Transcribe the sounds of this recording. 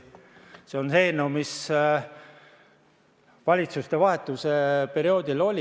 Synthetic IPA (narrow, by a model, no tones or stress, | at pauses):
seo̞nse̞ːnumis | vɑlʲit̪sust̪e̞vɑɦe̞t̪ːˑuse̞pe̞ɾio̞ːd̪̥ilo̞lʲi